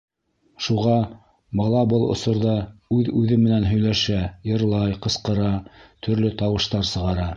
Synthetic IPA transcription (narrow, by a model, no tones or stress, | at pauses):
ʃuʁɑ | bɑlˠɑbɤlˠŏ̰sŏɾðɑʉðʉðɘmːɘ̆nænɦɵ̆jlæʃæjɤ̆ɾlˠɑjqɤ̆sqɤ̆ɾɑt̪ʰɵ̆ɾlɵt̪ɑwɤ̆ʃt̪ɑɾsɤ̆ʁɑɾɑ